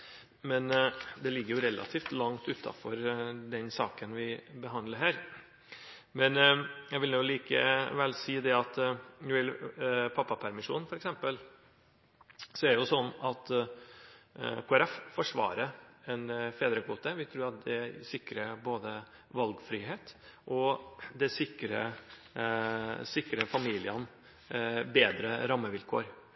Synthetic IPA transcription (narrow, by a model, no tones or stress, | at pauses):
mɛnd̪ɛlɪɡːəɾjʊɾɛlːʔɑ̰t̪ʰiːft̪lɑŋt̪ʉt̪ʰːɑ̰fɔɾd̪ɛnsɑːkənʋɪbəɦɑnd̪ləɾɦæːɾ | mɛnjæɡʋɪlnuːliːkə̰ʋɛlsiːd̪ɛɑt̪nʊɪlpʰɑpːɑpʰæɾmɪʂṵːnfɔɾɛksɛmpəl | sɔæɖɛjʊsɔnːɑt̪ | kʰoːɛɾɛffɔʂʋɑ̰ːɾəɛnfeːd̪ɾəkʰʋuːt̪əʋɪt̪ʰɾʉːɾɑt̪̚d̪ɛsɪkɾəboːd̪ə | ʋɑlɡfɾiːɦeːt̪ʔɔd̪ɛsɪkɾə | sɪkːɾəfɑmiːlɪən | beːd̪ɾə̰ɾɑmːəʋɪlkʰo̰ːɾ